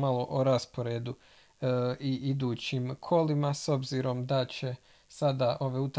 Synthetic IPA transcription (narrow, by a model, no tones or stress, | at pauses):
alˠoʔoɾaspo̞ɾeːd̪u | iʔid̪uːt͡ɕimkʰo̞limaso̞bziːɾo̞md̪at͡ɕe̞ | sad̪aʔo̞ʋe̞ut̪a